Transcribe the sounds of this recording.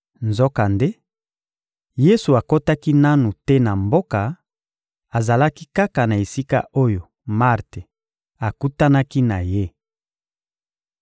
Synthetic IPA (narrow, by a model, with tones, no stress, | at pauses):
nzɔ˦ka˨nde˦ | je˦su˨a˨ko˦ta˦ki˦na˦nu˨tɛ˦na˨mbo˦ka˨ | a˨za˨la˦ki˦ka˦ka˨na˨e˨si˦ka̰˦ʔo˦jo˨ | ma˦ʁte˨ | a˨ku˦ta˦na˦ki˦na˨je˦